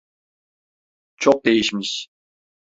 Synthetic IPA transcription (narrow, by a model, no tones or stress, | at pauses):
t͡ʃʰok̚d̪ejiʃmiʃ